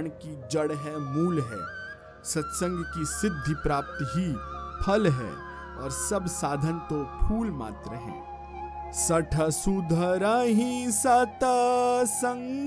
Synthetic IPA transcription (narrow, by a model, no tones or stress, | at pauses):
ɳ̃kid͡ʒɐɽɦɛmuːlɦɛ̰ː | sɐt̪sə̃ŋɡkisɪd̪ʱːipɾaːp̚t̪ɦipʰɐlɦɛ̰ː | ɔːɾsɐbsaːd̪ʱənt̪opʰuːlma̰ːt̪ɾəɦɛ̰̃ː | sɐʈʰəsud̪ʱəɾaɦĩsɐt̪əsə̃ŋ